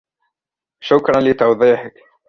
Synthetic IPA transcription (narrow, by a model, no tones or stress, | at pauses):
ʃʊkɾˤɑnlit̪ɑwðˤiːħɪk